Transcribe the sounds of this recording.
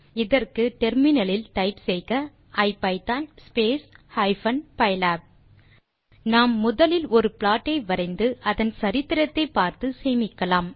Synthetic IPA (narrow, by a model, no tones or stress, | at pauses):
ɪðɐrkɯʈɛɾmɪnɐlɪlʈ̪ɐɪpsɛjkɐ | ʔɐɪpːɐɪt̪aːnspeːshɐɪfɐnpɐɪjlaːp̚ | naːmːʊðɐlɪlɔɾɯplaːʈːɐɪʋɐɾɐɪnd̪ɯʔɐðɐnsɐɾɪt̪ːɪɾɐt̪ːɐɪpːaːɾt̪ɯseːmɪkːɐlaːm